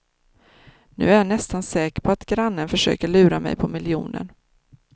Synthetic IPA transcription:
nʉ̟̰ːæɾjaɳɛst̪ansɛːkəpʰɔat̪ɡɾanːənfœʂø̰ːkəɭʉ̟ːɾamɛ̰jpʰɔmɪljṵːnə̰ɳ

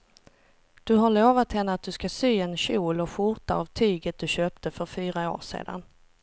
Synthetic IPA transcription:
d̪̥ɵɦaɭoːvat̪hɛnːəat̪̚d̪ɵskasyːɛnɕuːlɔɧʊɾt̪a̰ːvt̪ʰyːɡət̪̚d̪ɵɕøːp̚t̪ʰəfœɾfyːɾao̰ːʂḛːd̪a̰n

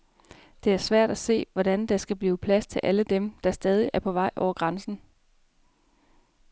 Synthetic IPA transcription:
d̥e̝æɐsʋæɐ̰d̥æse̝̰ːʋɒd̥ænd̥ɑ̈sɡ̥æb̥liːpʰlæst͡sʰe̝lʔæləd̥emd̥ɑ̈sd̥ɛːð̞ˠiʔæɐpʰɒ̽ʋɑ̈ɪ̰ʔɒ̰ʊ̰ɐɡ̥ʁɑ̈nsn̩

